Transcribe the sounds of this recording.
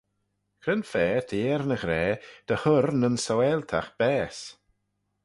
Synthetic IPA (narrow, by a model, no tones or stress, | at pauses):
kʰɾənfɛːdʰiːɾnəɣɾɛːd̥əhʊrnənsɔwɛlˠtʰaxb̥ɛːs